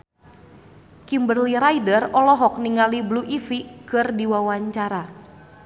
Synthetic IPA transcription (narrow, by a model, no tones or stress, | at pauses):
kimbərliɾaidərɔlɔɦɔk̚niŋalibluʔifikɨrdiwawaɲt͡ʃaɾa